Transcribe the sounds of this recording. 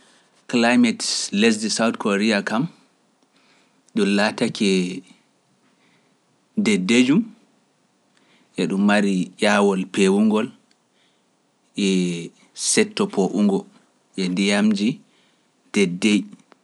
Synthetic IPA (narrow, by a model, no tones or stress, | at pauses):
klajmɛtles̬disawtkʰoɾiakam | ɗunlatakʰɛ | dɛdːed͡ʒum | ʔɛɗumːaɾijaːwɔlpewuŋɡɔl | ʔɛ | sɛtːɔpʰoʔuŋɡɔ | ʔɛndijamd͡ʒi | d̥ɛdːej